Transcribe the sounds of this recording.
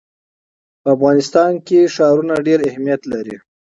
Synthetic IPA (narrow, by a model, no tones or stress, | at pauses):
pəafɣɑnɪst̪ɑnkeʃɑɾunaɖeɾahmijat̪laɾi